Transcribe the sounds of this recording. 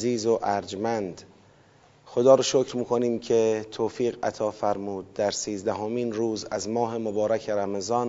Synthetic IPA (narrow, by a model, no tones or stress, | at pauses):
ziːzoʔæɾd͡ʒmænd̪ | xod̪ɒːɾɔʃocɾmiːkʰoniːmcʰe̞t̪ʰoːfiːɣæ̰t̪ʰɒːfæɾmuːd̪̚ːæɾsiːzd̪æɦomiːnɾuːzæzmɒːɦe̞mobɒːɾækʰeɾæmezɒːn